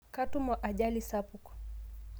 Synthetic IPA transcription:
katumɔʔaʄalisapuk

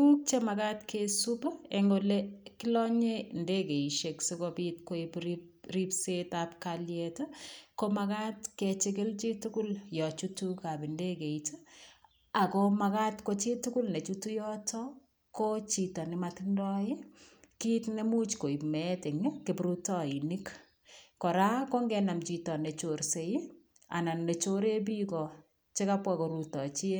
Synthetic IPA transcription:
uk̚t͡ʃemakatkʰesupaeŋɡolekɪlɔɲendekeiʃeksekopit̚koipɾip | ripsetapkaljetkomakatket͡ʃɪk̬ɪlt͡ʃitukʊljɔt͡ʃutukabindekeitə | akomakatkot͡ʃitʊkʊlnet͡ʃutujɔtɔ | kot͡ʃitɔnɪmatɪndɔɪkitnemut͡ʃkoipmɛtɪŋkɪpɾutɔinik | kɔɾakoŋɡɛnamt͡ʃitɔnet͡ʃoɾsej | a̰nannet͡ʃoɾeb̬ikɔ | t͡ʃɪkapwakoɾutɔt͡ʃie

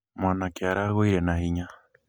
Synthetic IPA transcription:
mwanakeaɾaɣoiɾenahiɲa

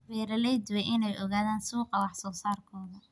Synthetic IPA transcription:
wɛːɾɐlɛjd̪ʊwɛjʔɪnɛjʔɔɣaːðaːnsuːqɑwɑħsɔːsaːrkʰɔːðɐ

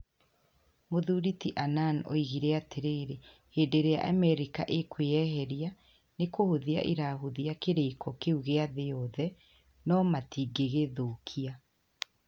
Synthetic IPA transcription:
moðuːɾitiʔanano̰iɣiɾɛateɾeːɾe | heːdeɾea̰ʔamɛɾika̰ʔekweɛɦɛɾia | nekohoðia̰ʔeɾaɦoðiakeɾekʰɔkeuɣeaðeɔðɛ | nɔmatiɡeɣeðokʰia

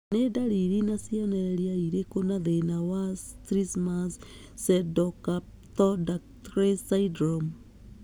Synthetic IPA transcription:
nedaɾiɾinasiɔneɾeɾiaiɾekonaðenawast̪ɾismas | sedoka | t̪ɔdaktɾesaidɾom

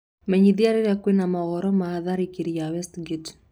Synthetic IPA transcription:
mɛɲiðiaɾiɾakwenamaɣɔɾɔmaːðaɾikiɾiawɛstɡit

